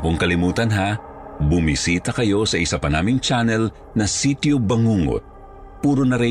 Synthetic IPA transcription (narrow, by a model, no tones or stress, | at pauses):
poŋkɐlɪmuːt̪ɐnɦa | bʊmisiːt̪ɐkɐjo̞sɐʔɪsapɐnaːmɪŋt͡ʃanɛl | nɐsit̪jobɐŋuŋo̰t̪̚ | puːɾonɐɾɪ